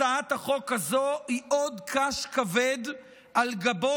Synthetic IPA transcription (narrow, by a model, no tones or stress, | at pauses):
aat̪haχo̞khazoiʔod̪kaʃkaved̪ | alɡabo